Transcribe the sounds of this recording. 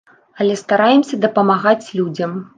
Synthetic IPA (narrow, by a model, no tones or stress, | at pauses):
ɐlʲɛst̪aɾajɛmsʲɐd̪ɐpɐmaɣat͡sʲlʲud͡zʲɐm